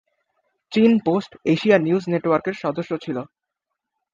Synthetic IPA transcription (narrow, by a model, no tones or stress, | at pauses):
t͡ɕinposʈeʃianiud͡ʑneʈwaɾkeɾʃɔd̪oʃːot͡ɕʰilo